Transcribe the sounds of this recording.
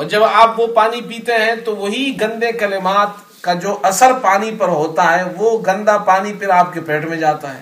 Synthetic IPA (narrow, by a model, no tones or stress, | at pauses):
ɔːɾd͡ʒɐbaːpʋopaːnipiːt̪eɦɛ̃t̪oʋɐɦiɡɐ̃nd̪ekɐlɪmaːt̪ | kad͡ʒoːʔɐsəɾpaːnipɐɾɦoːt̪aɦɛʋoɡɐ̃nd̪apaːnipɪɾaːp̚kepɛːʈmẽd͡ʒaːt̪aɦɛ̰ː